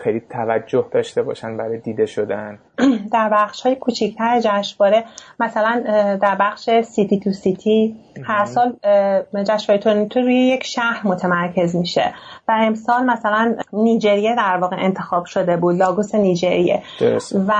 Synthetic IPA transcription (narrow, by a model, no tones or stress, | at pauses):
xejlit̪ʰævæd͡ʒːohd̪ɒːʃt̪e̞bɒ̰ːʃænbæɾɒjd̪iːd̪eʃod̪æn | d̪æɾbæχʃhɒːjekʰut͡ʃʰict̪ʰæɾed͡ʒæʃvɒːɾemæsælænd̪æɾbæχʃe̞sit̪ʰit̪ʰusit̪ʰihæɾsɒːl | d͡ʒæʃvɒːɾet̪ʰoɾnit̪ʰuɾuːjejecʃæhɾmot̪ʰemæɾcʰe̞zmiʃḛvæe̞msɒːlmæsælænːiːd͡ʒe̞ɾijed̪æɾvɒːɣeʔent̪ʰe̞xɒːb̥ʃo̞d̪e̞buːd̪lɒːɡuseniːd͡ʒeɾijḛdvæ